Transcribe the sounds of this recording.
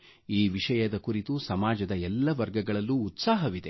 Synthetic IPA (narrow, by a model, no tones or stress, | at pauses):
iːʋiʂɐjɐd̪ɐkuɾit̪usɐmaːd͡ʒɐd̪ɐɛlːɐʋɐɾɡɐɡɐɭɐlːuːt̪saːɦɐʋid̪e̞